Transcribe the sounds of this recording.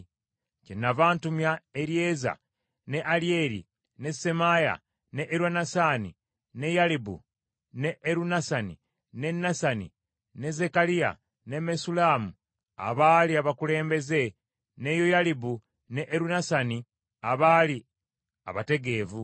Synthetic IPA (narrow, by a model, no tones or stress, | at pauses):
cenːavaːntumjaeɾije̞ːza̰ | ne̞ʔalie̞ɾḭ | ne̞se̞maja̰ | ne̞ʔːɾwanasaːni | ne̞jalibṵ | ne̞ʔːɾunasanḭ | ne̞nːasanḭ | ne̞ze̞kalija̰ | ne̞me̞sulaːmu | a̰βaːliaβakule̞ːmbe̞ze̞ | ne̞jojalibu | neʔeɾunasani | aβaːli | a̰βate̞ɡe̞ːvu